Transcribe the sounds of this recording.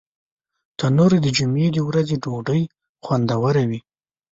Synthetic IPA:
t̪anoɾed̪əd͡ʒumed̪əwɾazeɖoɖəj | xwand̪awaɾawi

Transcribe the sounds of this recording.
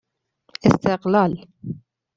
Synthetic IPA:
ʔɪst̪ɪqlaːl

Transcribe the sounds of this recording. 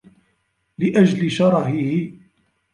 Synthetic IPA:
lɪʔad͡ʒlɪʃɑɾˤɑɦɪhɪ

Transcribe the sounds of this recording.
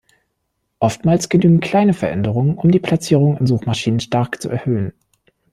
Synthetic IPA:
ʔɔftmaːlsɡ̥ənyːɡŋ̩kʰl̥aɪnəfɛɐʔɛndəʁ̞ʊŋənʔʊmdiːpʰl̥at͡siːʁ̞ʊŋnɪnzuːχmaʃiːnənʃtaɐkt͡sṵʔɛɐhøːən

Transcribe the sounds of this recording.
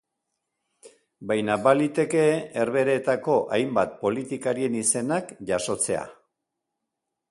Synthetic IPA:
bajnabalit̪e̞ke̞eɾβe̞ɾe̞ːt̪ako̞ʔajmbat̪̚po̞lit̪ikaɾie̞nise̞nakʝaso̞t͡se̞a̰

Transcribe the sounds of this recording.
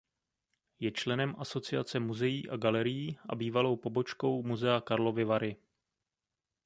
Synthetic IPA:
jɛt͡ʃlɛnɛmʔaso̞t͡sɪat͡sɛmuzɛjiːʔaɡalɛɾɪjiːʔa̰biːvalo̞wpo̞bo̞t͡ʃko̞wmuzɛakaɾlo̞vɪvaɾɪ

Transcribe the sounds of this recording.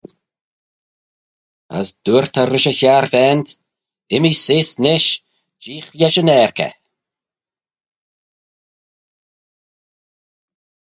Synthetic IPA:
ə̰sd̪̥uːɹt̪ʰəɾɪʃəçaɾvɛnt̪ | ɪmisɪsnɪʃ | d͡ʒiːxjɛʃənɛːɾkə̰

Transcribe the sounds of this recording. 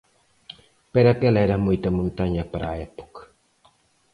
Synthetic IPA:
peɾakɛlɛɾamujtamuntaɲapaɾaɛpɔ̥kḁ

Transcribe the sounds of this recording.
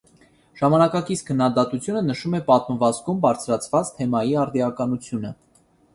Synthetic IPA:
ʒ̥ɑmɑnɑkɑkit͡skʰənːɑd̪ɑt̪ut͡sʰjunənəʃumɛpɑt̪məvɑt͡sɡumbɑɾt͡sʰɾɑt͡sʰvɑt͡st̪ʰɛmɑjiɑɾd̪iɑkɑnut͡sʰjunə

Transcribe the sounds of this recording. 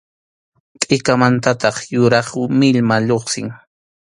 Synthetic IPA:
tʼɪkamant̪at̪ɑχjʊɾɑχmɪʎmaʎoχsɪŋ

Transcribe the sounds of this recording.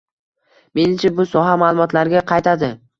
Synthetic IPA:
me̞nɪmt͡ʃʰabʊsɒɦamaːlˠʊmɒt̪laɾɡʲaqʰɑjt̪ʰad̪ɪ

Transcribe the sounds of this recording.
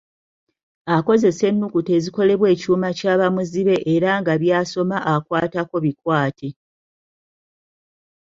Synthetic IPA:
ako̞ze̞se̞nːukute̞ziko̞le̞βwe̞ːcuːmacaːβamuziβe̞ʔeɾaŋɡaβjaːso̞maʔakwaːtako̞βikwaːtʰe̞

